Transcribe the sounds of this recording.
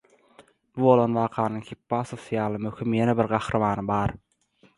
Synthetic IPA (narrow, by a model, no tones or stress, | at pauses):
b̥ubo̞lˠo̞nwɑːqʰɑːnɯŋxʰipːɑsoθijɑːlˠɯmøxymjenebiɾɢɑxɾɯmɑːnɯbɑːɾ